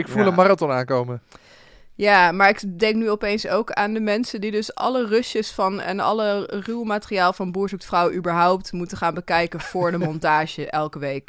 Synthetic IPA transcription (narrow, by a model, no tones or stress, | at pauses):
ɪkfulənmaratɔnaːnkowmə | jaːmaːɹɪkdɛŋk̚nyɔpejnsowkaːndəmɛnsəndidɵsʔɑ̰lərɵsjəsfɑnɛ̰nɑ̰lərywmaːtəriaːlˠvɑnbuːɹzuk̚tfrawʔybəɹɦɔwp̚tmutəχaːnbəkɛjkənv̥ʊːɹdəmɔntaːʒəʔɛlˠkəʋejk